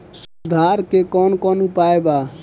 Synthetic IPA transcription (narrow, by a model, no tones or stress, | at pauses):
sud̪ʱaɾkekɔnkɔnupaeba